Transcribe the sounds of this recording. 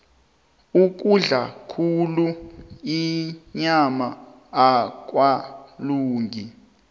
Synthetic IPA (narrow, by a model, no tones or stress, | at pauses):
uk̬uɮakʰuluiɲamaː | k̬ʼwaluːŋɡʱi